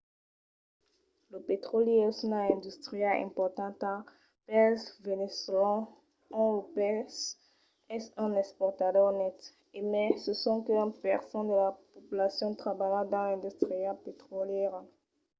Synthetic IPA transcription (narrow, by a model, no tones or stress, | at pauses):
ləpet̪χoljesunãɛ̃d̪yst̪ʁijɛlɛ̰̃pɔʁt̪ɑ̃t̪a | pɛsvenesolã | ɔ̃lopɛs | ɛsɛ̃nɛkspɔʁt̪adɔʁnɛt̪ | emɛsəsɔ̃kəpɛʁsɔ̃nd̪əlapopylasjɔ̃t̪χabalãd̪ɑ̃lɛ̃nd̪yst̪χijalpet̪χoljɛʁ